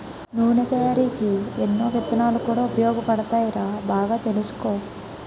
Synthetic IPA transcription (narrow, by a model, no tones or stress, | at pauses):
nuːnet̪ɐjaːɾiːkienːoːʋɐt̪ːɐnaːlukuːɽaːupɐjɔːɡɐpɐɽɐt̪aːjiɾaːbaːɡaːt̪e̞lusu̥koː